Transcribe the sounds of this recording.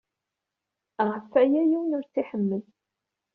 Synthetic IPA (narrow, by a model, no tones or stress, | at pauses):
ʁəfːæjæjiwnʊɾt͡sːiħəmːəð